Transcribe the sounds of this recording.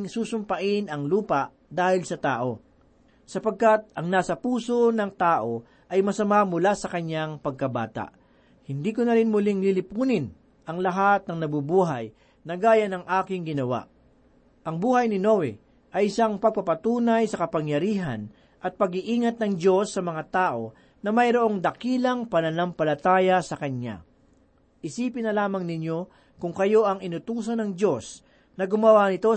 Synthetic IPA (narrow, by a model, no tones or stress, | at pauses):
ŋsuːsʊmpɐʔɪnɐŋluːpɐʔ | d̪aːhɪlsɐt̪aːʔo̞ | sɐpɐɡ̚kat̪̚ɐŋnaːsɐpuːso̞nɐŋt̪aːʔo̞ | ʔɐjmɐsɐmamʊlasɐkɐɲːaŋpɐɡ̚kɐba̰ːt̪a̰ʔ | hɪnd̪iːkʊnɐɾɪnmʊlɪŋlilɪpuːnɪn | ʔɐŋlɐɦat̪̚nɐŋnɐbubuːɦɐj | nɐɡaːjɐnɐŋʔaːkɪŋɡɪnɐwa̰ʔ | ʔɐŋbuːhɐjnɪno̞wɛ̰ | ʔɐjɪsaŋpɐɡ̚pɐpɐt̪uːnɐjsɐkɐpɐŋjɐɾiːɦɐ̰n | ʔɐt̪̚pɐɡɪʔiːŋɐt̪̚nɐŋd͡ʒo̞sːɐmɐŋat̪aːʔo̞ | nɐmɐjɾoʔo̞ŋd̪ɐkiːlɐŋpɐnɐnampɐlɐt̪aːjɐsɐkɐɲa̰ | ʔɪsiːpɪnːɐlaːmɐŋnɪɲjo̞ | kʊŋkɐjo̞ʔɐŋɪnʊt̪uːs̬ɐnɐŋd͡ʒo̞s | nɐɡʊmɐwanɪt̪o̞